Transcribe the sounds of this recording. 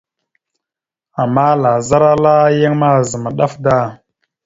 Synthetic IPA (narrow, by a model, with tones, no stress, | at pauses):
a˨mːa˦la˨za˦ɾa˦la˦ja˦ŋma˦˨zə˨ma˨ɗa˦fda˦˨